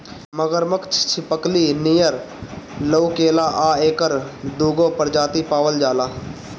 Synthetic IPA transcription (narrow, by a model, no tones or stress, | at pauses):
məɡəɾməkt͡ʃʰt͡ʃʰɪpəkliːniːjəɾ | ləukeːlaːʔaːeːkəɾd̪uːɡoːpəɾd͡ʒaːt̪ipaːʋəld͡ʒaːlaː